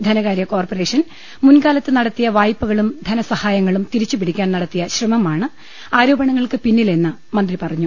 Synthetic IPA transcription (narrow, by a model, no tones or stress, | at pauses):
d̪ʱɐnɐɣaːɾijɐko̞ːrpɐre̞ːʂɐn | munkaːlɐt̪ːɨnɐɽɐt̪ːijɐʋaːjpːuɣɐɭumd̪ʱɐnɐsɐhaːjɐŋːɐɭumt̪iɾit͡ɕːupiɽikʲːaːnnɐɽɐt̪ːijɐɕrimɐmaːɳɨ | aːɾo̞ːbɐɳɐŋːɐɭkɨpinːile̞nːɨ | mɐnd̪ripɐrɐɲːu